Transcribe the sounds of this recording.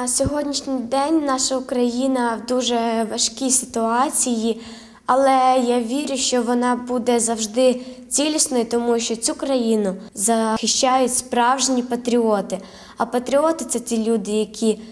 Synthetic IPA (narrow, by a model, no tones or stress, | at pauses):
sʲɔɦɔdʲnʲiʃnʲijd̪ɛnʲnɑʃɐʊkɾɐjinɐwd̪uʒɛʋɐʃkʲisɪt̪ʊɑt͡sʲiji | ɐlˠɛjaʋʲiɾʲʊʃt͡ʃɔʋɔnɑbud̪ɛzɐwʒd̪ɪt͡sʲilʲisnɔjit̪ɔmuʃt͡ʃɔt͡sʲukɾɐjinʊzɐxɪʃt͡ʃɑjʊtʲspɾɑwʒnʲipɐt̪ɾʲiɔt̪ɪ | ɐpɐt̪ɾʲiɔt̪ɪt̪sɛtʲilʲud̪ɪjɐkʲʰi